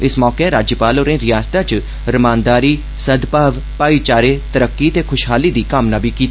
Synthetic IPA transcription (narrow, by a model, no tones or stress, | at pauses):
ɪsmɔːkeɾaːd͡ʒjəpaːloːɾẽːɾɪjaːst̪at͡ʃ | ɾəmãːnd̪aːɾiː | səd̪paːʋ | paːiːt͡ʃaːɾeːt̪əɾəkːiːt̪eːkʰʊʃɦaːliːd̪iːkəmnãːbʱiːkiːt̪ː